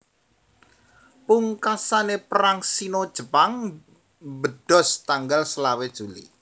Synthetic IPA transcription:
puŋkasanepəɾaŋsinod̥ʒ̥ə̤paŋ | bəd̥ɔst̪aŋɡalsəlawed̥ʒ̥ulḭ

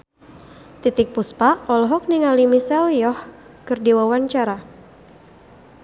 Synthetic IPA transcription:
t̪it̪ik̚puspaɔlɦɔk̚niŋalimisɛljɔh | kɨrdiwawaɲt͡ʃaɾa

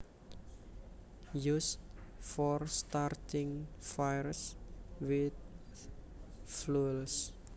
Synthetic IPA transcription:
just̚fɔrst̪art̪ɪŋfajrswɪt̪̚ | fluls

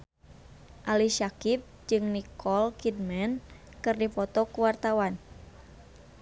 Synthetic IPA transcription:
ʔaliʃakip̚d͡ʒɨŋnikʰɔlkid̚mɛnkɨrdipɔt̪ɔkuwart̪awan

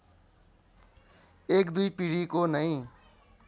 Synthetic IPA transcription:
ekd̪ujpiɽikonʌj̃

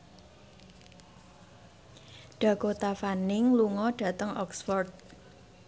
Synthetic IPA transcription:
ɖ̥a̤kot̪afanɪŋluŋɔɖ̥a̤t̪əŋʔɔksfɔrt̪̚

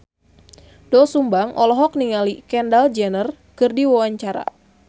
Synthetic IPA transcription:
dɔsumbaŋʔɔlɔɦɔk̚niŋalikɛndald͡ʒɛnər | kɨrdiwawaɲt͡ʃaɾa̰

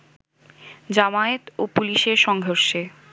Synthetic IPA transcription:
d͡ʑamaet̪opuliʃeɾʃɔŋɦoɾʃe

